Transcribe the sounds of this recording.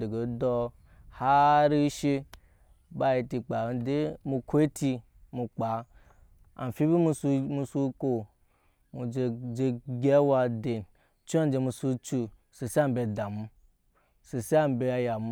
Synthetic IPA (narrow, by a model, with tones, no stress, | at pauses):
de˨ɡe˨dɔ˧ | ha˦ɾi˦ʃe˧ | ba˨˦ji˧ti˧k͡pa˨de˦mu˧kʰo˦e˦ti˧ | mu˧k͡pa˨˦ | a̰˨n˨fi˦bi˦mu˧smu˧su˧ko˨ | mu˧d͡ʒe˧ɡʲe˦wa˧de˨n | t͡ʃu˦a˦n˦d͡ʒe˧mu˧su˦˧t͡ʃu˧ | se˨si˦a˦m˦be˧da˨mu˧ | se˨si˦a˦m˨be˧a˧ja˨m˦